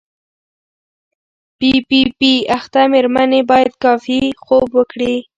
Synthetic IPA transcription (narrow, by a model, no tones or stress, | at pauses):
pipipiaxt̪ameɾmanebɑjad̪̚kɑfixobwəkɽi